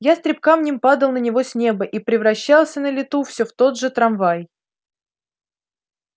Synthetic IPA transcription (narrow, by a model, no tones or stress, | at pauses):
jast̪ɾʲɪp̚kamnʲɪmpad̪əlˠnənʲɪvo̞sʲnʲe̞bəʔipɾʲɪvɾɐɕːalˠsʲənəlʲɪt̪ufsʲoft̪o̞d̪ʐɨt̪ɾɐnvaj